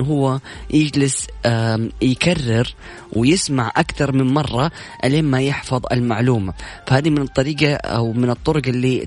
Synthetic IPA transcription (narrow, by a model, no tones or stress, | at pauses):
ɦʊwːajʔɪd͡ʒlɪs | jkarːɪɾ | wʔɪjɪsmaʕʔakt̪ɑɾˤmɪmmɑrˤːɑ | ʔaleːmːajɪħfɑðˤɪ̰lmaʕluːmafahaːd̪imɪnɨt̪ˤːɑɾiːɡaa̰wmɪnɨt̪ˤːʊɾʊɡɪlːi